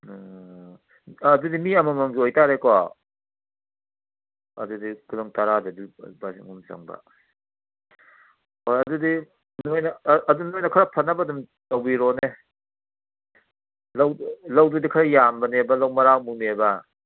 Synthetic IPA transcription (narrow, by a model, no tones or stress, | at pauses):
dudimiɐmamaŋɡiojtaɾekɔ | ɐ̰dudikulaŋtaɾadudibasḭŋumza̰ŋbɐ̰ | ojɐdudi | nojnaːdunojnɐkʰaɾapʰɐnːabɐːdum | tawbiɾɔne | lawlawdudikʰaɾajambɐnebɐlawmɐɾawmunebɐ